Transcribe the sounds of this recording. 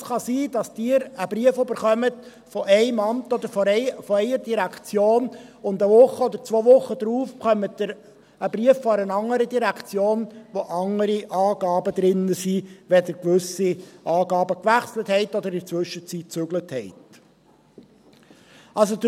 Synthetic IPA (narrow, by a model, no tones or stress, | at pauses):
sχɑsiːdɑsd̥ɪːɾəbɾiəføbəɾχœmət | fɔʔɛɪmɑmt̪ɔd̪əɾfɔfɔɛɪəɾdiɾækt͡sjoːnʊnd̪əʋʊχəɔd̪əɾt͡sʋoːʋʊχədɾuːfχœmətdɪɾ | əbɾiəfːɔɾənɑŋːəɾədiɾækʰt͡sjoːnʋoʔɑŋːəɾiʔɑːɡ̥ɑːbəd̪ɾɪnːəsiʋɛd̪əɾkʋɵsiʔɑːɡɑːbəkʋæχsləthɛɪt̪ɔd̪əɾɪdət͡sʋʏʃːət͡sit̚t͡sʉɡləthɛɪt | ɑls̬od